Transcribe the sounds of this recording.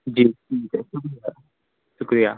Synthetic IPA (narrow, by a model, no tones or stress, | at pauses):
d͡ʒiːʈʰiːkeʃʊkɾijaː | ʃʊkɾijaː